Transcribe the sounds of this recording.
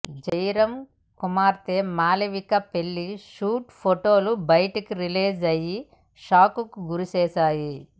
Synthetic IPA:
d͡ʒɐjɾɐm | kumaːɾt̪eːmaːliʋikɐpeɭːiʃuːʈpʰoʈo̞ːlubɐjʈikiɾileːd͡ʒɐji | ʃaːkukuɡuɾut͡ʃɛːsaːji

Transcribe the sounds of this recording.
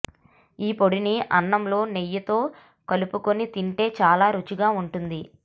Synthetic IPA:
iːpo̞ɽiniʔɐnːɐmlo̞ːnejːɐt̪o̞ː | kɐlupuko̞nit̪iɳʈe̞ːt͡ʃaːlaːɾut͡ʃiɡaːuɳʈund̪i

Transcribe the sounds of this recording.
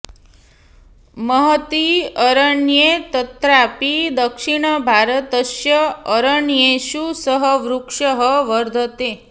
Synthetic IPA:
məɦət̪iəɾəɳjet̪ət̪ɾapid̪əkʂiɽ̃əbʱaɾət̪əʃjəəɾəɳjeʃusəɦəʋɾukʂəɦəʋəɾd̪ʱət̪e

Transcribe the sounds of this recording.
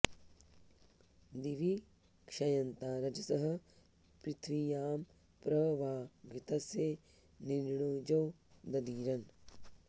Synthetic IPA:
d̪iʋi | kʂɐjɐnt̪aːɾɐd͡ʒɐsɐɦɐ̆ | pɾɪt̪ʰʋijaːm | pɾɐʋaːɡit̪ɐsje | niɾɳoːd͡ʒɐw | d̪ɐd̪iːɾɐn

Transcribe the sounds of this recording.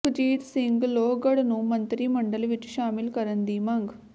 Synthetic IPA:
d͡ʒiːt̪siŋɡloːɡɐɽnumɐnt̪ɾimɐɳɖɐlʋiʈːʃaːmilkɐɾɐnd̪imɐŋɡ

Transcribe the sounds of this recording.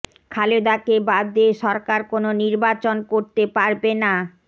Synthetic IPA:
kʰaled̪akebad̪eʃɔɾkaɾkononiɾbat͡ɕonkoɾt̪epaɾbena

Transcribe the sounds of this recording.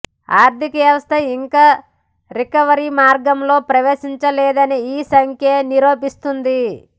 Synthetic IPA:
aːɾd̪ʱikɐʋjɐʋɐst̪ʰɐiŋkaː | ɾikɐʋɐɾimaːɾɡɐmlo̞ːpɾɐʋeːʃiɲt͡ʃɐleːd̪ɐniiːsɐŋkʰjɐniɾoːpist̪und̪i

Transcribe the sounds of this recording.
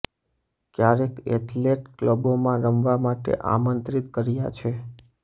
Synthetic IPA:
kjaɾekḛʈleʈkləbomãɾəmʋamaʈḛʔa̰mənt̪ɾit̪kəɾjat͡ʃʰe

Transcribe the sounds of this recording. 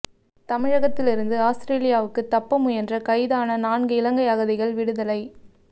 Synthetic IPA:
t̪ɐmɪɻɐɣɐt̪ːɪlɪɾɯnd̪ɯaːsɾeːlɪjaːʋɯkːɯt̪ːɐpːɐmɯjɛndrɐkɐɪðaːnɐnaːnɡɯɪlɐŋɡɐɪɐɣɐðɪɣɐɭʋɪɽɯðɐlɐɪ

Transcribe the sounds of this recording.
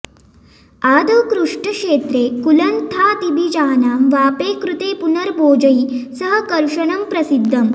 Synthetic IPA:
aːd̪ɐwkɾuʂʈəʂeːt̪ɾeːkulɐnt̪ʰat̪ibʱid͡ʑaːnaːmʋaːpeːkɾut̪eːpunəɾboːd͡ʑɐiːsəɦəkɐɾʂɐɳɐmpɾɐsid̪ʱːɐm

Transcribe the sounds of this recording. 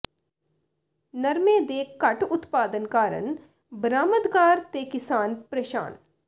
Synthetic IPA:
nəɾmẽːd̪eːkɐʈʊt̪paːd̪ənkaːɾə̰ɳ | bɾaːmət̪ɡaːɾt̪eːkɪsaːnpɾəʃa̰ːn

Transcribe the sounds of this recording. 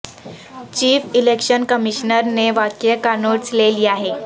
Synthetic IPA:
t͡ɕiːfilekɕənkəmiɕnəɾneʋakjəkanoɽt͡sleliːaɦe

